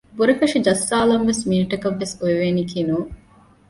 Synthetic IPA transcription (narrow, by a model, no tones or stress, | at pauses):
buɾɐfɐʂid͡ʒɐsːaːlɐmʋesmuniʈɐkɐʋːesoeʋeːnikʰinuː